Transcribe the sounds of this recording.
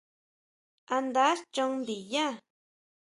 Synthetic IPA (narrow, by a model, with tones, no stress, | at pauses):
a˧nd̪a˨˦st͡ʃo˧ŋnd̪i˨ja˦